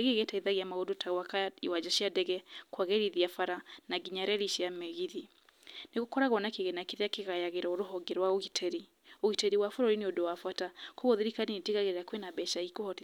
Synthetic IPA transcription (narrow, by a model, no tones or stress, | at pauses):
eɣeɣɛtaiðaɣiamaɣodotʰaɣwakaiwad͡ʒaʃiadɛɣɛkwaɣɛɾiðiafaɾanaɡiɲaɾɛɾiʃiamɛɣiði | neɣokɔɾaɣwɔnakeɣɛnakeðeakeɣajaɣeɾaoɾoɦɔɡeɾwaoɣitʰeɾi | oɣiteɾiwafoɾoɾineodowafwatakoɣoðiɾikanineteɣaɣeɾeɾakwenabɛʃaikohɔt